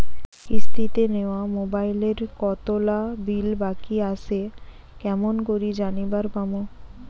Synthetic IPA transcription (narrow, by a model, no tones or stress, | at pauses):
ist̪ʰit̪eneoamobajleɾkɔt̪olabilbakiaʃe | kɛmonkoɾid͡ʑanibaɾbamo